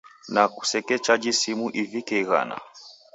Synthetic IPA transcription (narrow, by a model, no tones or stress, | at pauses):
naku̥sɛkɛt͡ʃad͡ʒisimuʔivikɛiɣa̰na̰